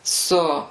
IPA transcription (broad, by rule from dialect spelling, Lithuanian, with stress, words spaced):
ˈsʊ